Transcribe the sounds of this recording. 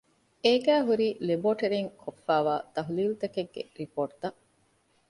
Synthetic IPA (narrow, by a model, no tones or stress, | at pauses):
eːɡæːɦuɾiːleboːʈɐɾiŋkʰofːæːʋaːt̪ɐɦuliːlut̪ɐkeɡːḛɾipoːʈt̪ɐʔ